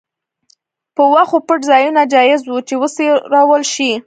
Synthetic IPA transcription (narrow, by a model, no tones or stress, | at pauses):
pəwaxopəʈzɑjunad͡ʒɑjɪzwut͡ʃewəseɾɑwəlʃi